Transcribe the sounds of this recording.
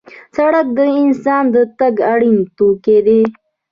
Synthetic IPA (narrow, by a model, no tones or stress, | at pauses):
sɐɽək̚d̪əɪnsɑːnd̪ət̪ɐɡaɽint̪uked̪e